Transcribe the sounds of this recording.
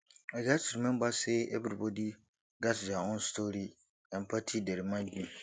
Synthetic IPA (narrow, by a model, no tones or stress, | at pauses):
aɡasuɾmɪ̃mbasɛḛbɾibɔdi | ɡasd͡ʒaŋʊ̃nstʰoɾi | ɛ̃mpʰatʰideɾimãdĩ